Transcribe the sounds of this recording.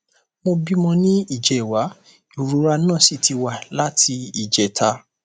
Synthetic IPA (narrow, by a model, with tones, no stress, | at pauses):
mo˧bi˦mɔ̃˧nĩ˦i˦˨d͡ʒɛ˨wa˨˦ | i˨ɾu˨˦ɾa˧nã˦˨si˦˨ti˧wa˦˨la˦tʰi˧i˦˨d͡ʒɛ˨tʰa˧˦